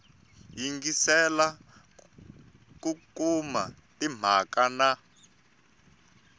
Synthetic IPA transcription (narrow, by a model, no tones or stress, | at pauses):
jiŋɡisɛla | kukuma | tim̤akana